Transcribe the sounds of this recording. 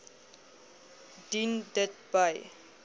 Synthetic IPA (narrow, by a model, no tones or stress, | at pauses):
d̥indətbaj